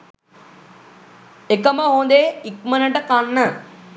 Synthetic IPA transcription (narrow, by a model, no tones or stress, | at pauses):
ekəməɦond̪eikmənəʈəkanːə